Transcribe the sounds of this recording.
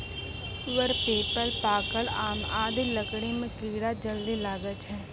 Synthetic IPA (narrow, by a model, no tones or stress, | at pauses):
ʋəɾpeːpəlpaːkəɭaːmaːd̪iləkɽemẽkiːɽad͡ʒəld̪ilaːɡət͡ʃɦɛː